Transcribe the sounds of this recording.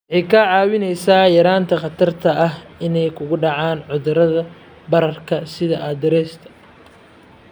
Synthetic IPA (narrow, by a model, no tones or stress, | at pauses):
wʕɛjkʰaʕɑːwɪnɛjsaːjɐɾaːnt̪ʰɐqɑt̪ʰɐrt̪ʰɐʔɐɦɪnɛjkʰʊɣʊɖɑʕaːnʕʊðʊɾɐðɐ | bɐɾɐrkʰɐsɪðɐʔɐd̪ɛɾɛːst̪ʰɐ̥